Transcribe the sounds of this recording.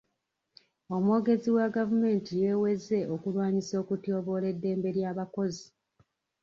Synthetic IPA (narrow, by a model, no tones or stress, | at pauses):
o̞muwoɡe̞ziwaɡavume̞ːntijeːwe̞ze̞ʔokulwaːɲiso̞ːkutjo̞ːβo̞ːle̞dːe̞ːmbe̞ɾjaːβako̞zi